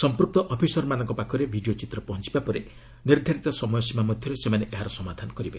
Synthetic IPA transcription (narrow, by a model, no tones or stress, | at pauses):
sɔmpɾuk̚t̪ɔʔɔpʰisɔɾmanɔŋkɔpakʰɔɾebʱiɖijot͡ʃit̪ɾɔpɔɦɔ̃nt͡ʃi̥bapɔɾe | niɾd̪ʱaɾit̪ɔsɔmɔjɔsimamɔd̪ʱjɔɾesemaneʔeɦaɾɔsɔmad̪ʱanɔkɔɾibe